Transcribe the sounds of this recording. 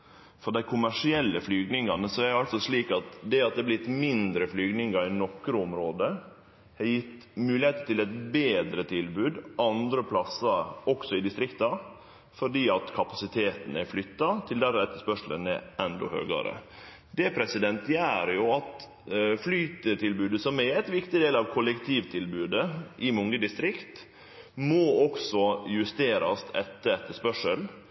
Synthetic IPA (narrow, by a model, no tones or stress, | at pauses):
fɔɖ̪æɪkʰʊmæʂɪɛlːəflyːɡnɪŋɡɑnəsɔɛæɾjɑlt̪sɔsliːkɑt̪d̪ɛɑt̪̚d̪ɛblɪt̪mɪnd̪ɾəflyːɡnɪŋɡɑɾɪnɔkɾəʊmɾoːd̪ə | hɑɾjɪt̪ːmʉːlɪheːt̪ət̪ʰɪlɛt̪beːd̪ɾət̪ʰɪlbʉːd̪ʔɑnd̪ɾəpʰlɑsɑɔksɔɪd̪ɪst̪ɾɪkt̪ɑ | fɔɖiːɑt̪kʰɑpɑsɪt̪ʰeːt̪n̩æɾflʏt̪ːɑt̪ʰɪld̪æɾɛt̪ːəspœʂlə̰nɛ̰ɛnd̪ɔ̰hø̰ːɡɑ̰ɾə̰ | d̪ɛpʰɾɛsɪd̪ɛnt̪jæːɾjʊɑt̪ | flyːt̪ət̪ʰɪlbʉːd̪əsɔmɛɛt̪ʋɪkt̪ɪd̪eːlɑʋkʰɔlɛkt̪ʰiːʋt̪ʰɪlbʉːd̪əʔɪmʊŋːəd̪ɪst̪ɾɪkt̪ | moɔksɔjʉst̪eːɾɑ̰st̪ʰɛt̪ːəɛt̪ːəspœʂəl